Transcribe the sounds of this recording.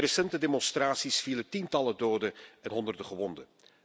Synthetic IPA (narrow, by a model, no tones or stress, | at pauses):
resɛntədemɔnstraːtsisfilətintɑlədoːdəɛnɦɔndərdəχəʋɔndə